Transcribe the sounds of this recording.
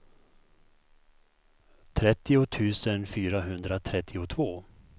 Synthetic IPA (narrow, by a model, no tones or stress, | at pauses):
t̪ʰɾɛt̪ːɪʊt̪ʰʉ̟ːsənfyːɾaɦɵnd̪ɾat̪ʰɾɛt̪ʰːɪʊt̪ʰvoː